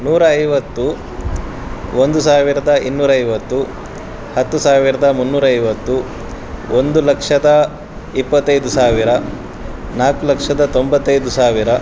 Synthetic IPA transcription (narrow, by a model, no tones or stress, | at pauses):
nuːɾɐːjʋɐt̪ːu | ond̪usaːʋiɾɐd̪ɐinːuːɾɐɐjʋɐt̪ːu | hɐt̪ːusaːʋiɾɐd̪ɐmunːuːɾɐɐjʋɐt̪ːu | ond̪ulɐkʂɐd̪ɐ | ipːɐt̪ːɐjd̪usaːʋiɾɐ | naːkulɐkʂɐd̪ɐt̪o̞mbɐt̪ːɐjd̪usaːʋiɾɐ